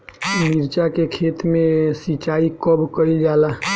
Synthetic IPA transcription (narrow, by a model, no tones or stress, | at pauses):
miɾt͡ʃakekʰet̪mesit͡ʃaikəbkəid͡ʒala